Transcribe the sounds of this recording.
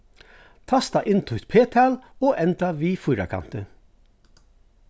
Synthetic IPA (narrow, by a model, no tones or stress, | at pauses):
t̪ʰɑst̪ɑʔɪnt̪ʰʊːt̪pʰeːt̪ʰɑːloːʔɛnt̪ɑʋiːfʊɾɑ̰kʰɑ̰nt̪ə